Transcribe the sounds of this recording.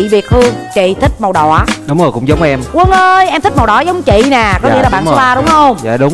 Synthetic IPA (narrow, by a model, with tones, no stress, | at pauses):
i˧˨vi˨˩ək̚hɨ˧əŋt͡ɕḭ˧˨t̪ʰï˦˥k̟̚ma˨˩wɗɔ̰˧˨˩ɗʊ˨˦wŋ͡mzo˨˩jkʊ̰˧˥ŋ͡mzə˨˦wŋ͡mʔɛ˧mkwə˧nʔəː˧jʔɛ˧mt̪i˦˥ma˨˩ɗɔ˧˨˩zə˨˦wŋ͡mt͡ɕḭ˧˨nɛː˨˩kɔ˨˦i˧˥laː˨ɓa̰ː˧˨˦aː˧ɗʊ˨˦ŋ͡mhə˧wŋ͡ma̰ː˧˨ɗʊ˨˦ŋ͡m